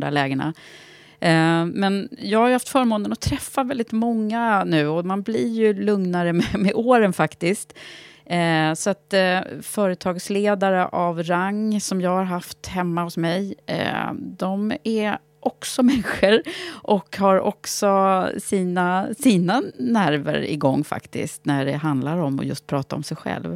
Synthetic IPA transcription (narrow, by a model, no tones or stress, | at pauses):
d̪a̰lɛːɡəɳa̰ | mɛnjɑːɡhaɾjʏhaft̪fœːɾmoːnənɔt̪ʰɾɛfːavɛld̪ɪt̪mɔŋːanʉ̟ːɔmanblɪɾjɵlɵŋnaɾəmɛmɛʔoːɾənfakt̪ɪskt̪ | sɔat̪fœːɾət̪ʰɑːɡsleːd̪aɾəʔavɾaŋːsɔmjɑːɡhaɾɦaft̪hɛmːahʊsmɛj̰ | d̪ɔmæɾ | ʔɔksɔmɛnɧəɾʔɔkhaɾɔ̰ksɔsiːnasiːnanæɾvə̰ɾɪ̰ɡɔŋːfa̰kt̪ɪ̰st̪næɖɛɦand̪laɾɔmːɔ̰jɵ̰st̪̚pʰɾɑːt̪aɾɔ̰msɛjɧɛ̰lv